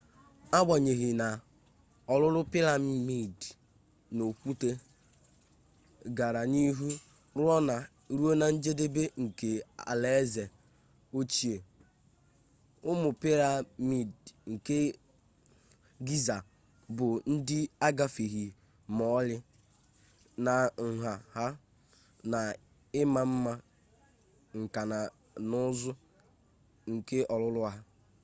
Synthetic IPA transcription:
a˦ɡ͡ba˨ɲe˨ɣi˨na˨ | ɔ˨lʊ˦ɾʊ˦pi˦la˨m˦mi˨d | no˨kʷu˦te˦ | ɡa˨ɾa˨ni˦ɦu˦ | ɾʊ˦ɔ˦na˨ | ɾu˦o˦na˨n̩˦d͡ʒe˦de˦be˦ŋ̩˨ke˨a̰˨le˨˦ze˨ | o˦t͡ʃi˨e˨ | ʊ˦mʊ˨pi˦ɾa˨mi˨dŋ̩˨ke˦ | ɡi˦za˨ | bʊ˨n̩˦dɪ˦a˦ɡa˦fi˨ɣi˨ | mɔ˦lɪ˦ | na˨ŋ̩˨ɦa˨ha˦ | na˨ | ɪ˦ma˨m̩˦ma˦ | ŋ̩˨ka˨na˨ | nʊ˦zʊ˦ | ŋ̩˨ke˦ɔ˨lʊ˦lʊ˦a˦ɦa˦

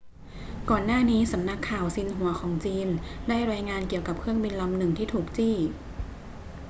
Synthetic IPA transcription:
kɔː˨˩nːaː˥˩niː˦˥sa˩˦mna˦˥kʰːaː˨˩wsi˧nɦu˨˩˦ɐkʰɔː˩˦ŋt͡ɕiː˧ndaː˥˩jɾaː˧jŋaː˧nki˨˩əwka˨˩p̚kʰɯ˥˩əŋbi˧nla˧mnɯ˨˩ŋt̪ʰiː˥˩t̪ʰuː˨˩k̚t͡ɕiː˥˩

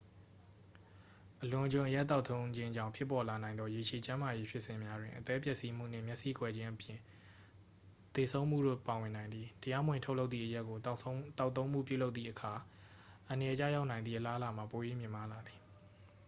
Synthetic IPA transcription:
ʔəlʊ̃˨ʔəd͡ʑʊ̃˨ʔəja˦ʔt̪ːa˦ʊt̪ʰõ˦ʊ̃ɲd͡ʑɪ̃˦d͡ʑã̰˦˨ʊ̃pʰjɪ˦pːɔ˨la˨nã˨ɪ̃nd̪ɔ˦je˨t͡ɕʰe˨t͡ɕã˦ma˨je˦pʰjɪ˦ʔsɪ̃˨mja˦dwɪ̃˨ʔət̪ɛ˦pjɛ˦ʔsi˦m̥ṵ˦˨n̥ɪ̰̃˦˨mjɛ˦ʔsḭ˦˨kwɛ˦˨d͡ʑɪ̃˦ʔəpjɪ̰̃˦˨ | t̪e˨sʰõ˦ʊ̃m̥ṵ˦˨do̰˦˨pa˨wɪ̃˨nã˨ɪ̃nd̪ði˨təja˦mwɪ̃˨tʰo˦ʊʔlo˦ʊt̪ðḭ˦˨ʔəja˦ʔkːo˨t̪a˦ʊt̪ːõ˦ʊ̃m̥ṵ˦˨p̬ju˦˨lo˦ʊt̪θḭ˦˨ʔəkʰa˨ | ʔə̃˨nə˨jɛ˨t͡ɕa̰˦ja˦ʊʔnã˨ɪnd̪ðḭ˦˨ʔəla˦ʔə˦la˨m̥a˨po˨jḛ˦˨mjɪ̃˨ma˦la˨d̪ði˨

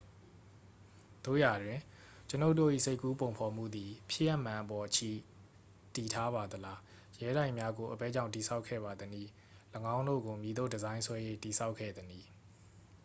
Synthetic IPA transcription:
d̪̥o̰˦˨ja˨dwɪ̃˨ | t͡ɕəno˦ʊtːo̰˦˨ʔḭ˦˨se˦ɪkːu˦põ˨ʊ̃mpʰɔ˨m̥ṵ˦˨d̪i˨pʰjɪ˦˨jɛ˦˨ʔmã˨ʔəpɔ˨t͡ɕʰḭ˦˨ | ti˨tʰa˦ba˨d̪əla˦ | jɛ˨˦ɾã˦˨ɪ̃mja˦ɡo˨ʔəpɛ˦˨d͡ʑã˦ʊ̃ti˨sʰa˦ʊkʰːɛ̰˦˨ba˨d̪əni˦˨ | lə˨ɡã˦ʊ̃ndo̰˦˨ɡo˨mji˨d̪o˦˨dəzã˦ɪ̃sʰwɛ˦jḛ˦˨ti˨sʰa˦ʊkʰːɛ̰˦˨d̪ə˨ni˦˨

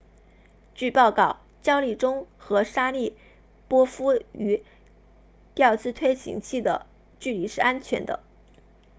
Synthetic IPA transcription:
t͡ɕy˥˧pɑ˥˧ʊkɑ˥˩ʊ | t͡ɕjɑ˥ʊli˥˩ʈ͡ʂʊ˥ŋxɤ˧˥ʂa˥li˥˩ | pwɔ˥fu˥y˧˥ | t̪jɑ˥˧ʊt͡sɹ̩˥t̪ʰwe˥ɪɕḭ˧˥ŋt͡ɕʰi˥˩d̪ə̰˩ | t͡ɕy˥˩li˨˩ʂɻ̩˥ʔa˥nt͡ɕʰɥɛ˧˥nd̪ə̰˧

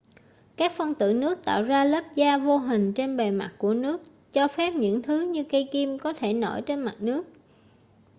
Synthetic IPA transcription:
kaː˦˥k̚fə˧nt̪ɨ̰˧˩nɨ˦˥ək̚t̪a̰ː˧˨wzaː˧lə˦˥p̚zaː˧vo˧ɦï˨˩ŋ̟t͡ɕe˧nɓe˨˩ma̰˨˩t̚ku˧˩ənɨ˦˥ək̚ | t͡ɕɔ˧fɛ˦˥p̚ɲɨ̰˧˥ŋt̪ʰɨ˨˦ɲɨ˧kə˧jki˧mkɔ˨˦t̪ʰe˧˩no˧˩jt͡ɕe˧nma˨˩t̚nɨ˦˥ək̚

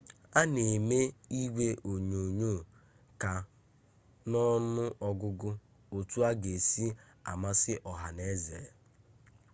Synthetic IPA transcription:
a˦ne˨me˦i˦wʷe˦ʔo˨ɲo˨ɲoː˦˨ | ka˨ | nɔ˦nʊ˦ʔɔ˦ɡʊ˦ɡʊ˦ | o˨tu˦a˦ɡe˨si˦ | a̰˨ma˦sɪ˦ʔɔ˨ɦa˨ne˦zḛ˨e˨

